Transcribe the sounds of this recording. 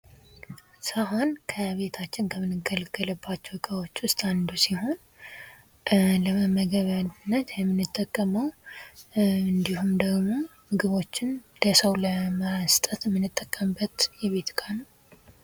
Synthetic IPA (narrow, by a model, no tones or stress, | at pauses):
səɦo̞nkʰəβe̞t̪ʰat͡ʃːɪnkʰəmɨnɨɡəlɡələbːat͡ʃːɛwkʼawo̞t͡ʃːʊst̪ʼand̪usiho̞n | ləməɡəβand̪ɨnːət̪jɛmːɨnɨt̪ʼːəkʼːəməw | ɨnd̪ihumd̪əɡmo̞mɨɡɨβo̞t͡ʃːɪnləsəwləməɾasɨ̥t̪ʼət̪mːɨnɨt̪ʼːəkʼːəmbət̪jɛβe̞t̪kʼanəw